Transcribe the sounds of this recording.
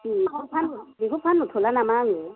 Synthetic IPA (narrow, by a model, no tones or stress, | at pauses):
iʊpʰandikʊpʰanʊtʰɔlanamaːŋɛ